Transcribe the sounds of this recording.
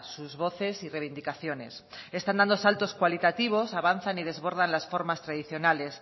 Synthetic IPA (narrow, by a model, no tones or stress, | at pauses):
suzβo̞θe̞sireβ̞ind̪ikaθjo̞ne̞s | e̞st̪and̪and̪osalt̪o̞skwalit̪at̪iβ̞o̞saβ̞anθanið̞e̞zβo̞ɾðanlasfo̞ɾmast̪ɾaðiθjo̞nale̞s